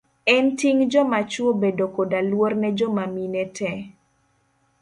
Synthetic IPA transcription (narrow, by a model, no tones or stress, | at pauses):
ɛntiŋd͡ʒɔmat͡ʃwobedokodalwornɛd͡ʒɔmaminɛtʰɛ